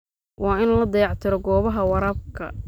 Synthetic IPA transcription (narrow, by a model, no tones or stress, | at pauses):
wʔɑːɪnlɐd̪ɑjɑʕt̪ʰɪɾɔɡɔːβɐɦɐwɑɾaːb̚kʰɐ̰